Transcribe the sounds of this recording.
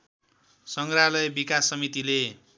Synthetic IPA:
sʌŋɡralʌjbikasːʌmit̪ile

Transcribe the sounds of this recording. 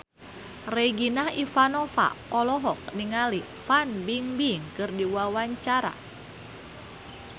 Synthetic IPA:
reɡinahifanɔfa̰pɔlɔɦɔk̚niŋali | fanbiŋbiŋkɨrdiwawaɲt͡ʃaɾa̰

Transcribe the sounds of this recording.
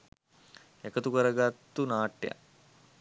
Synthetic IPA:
ekət̪ukəɾəɡat̪ːunaːʈːja̰

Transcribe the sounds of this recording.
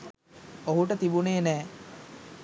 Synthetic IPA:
oɦuʈət̪ibuneːnɛː

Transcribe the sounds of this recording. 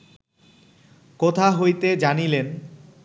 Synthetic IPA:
kot̪ʰaɦojt̪ed͡ʑanilen

